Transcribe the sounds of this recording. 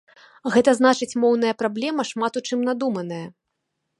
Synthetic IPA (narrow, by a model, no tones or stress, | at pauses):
ɣɛt̪ɐzn̪at͡ʂɨt͡sʲmɔwnɐjɐpɾablʲɛmɐʂmat̪ut͡ʂɨmnad̪umɐnɐjɐ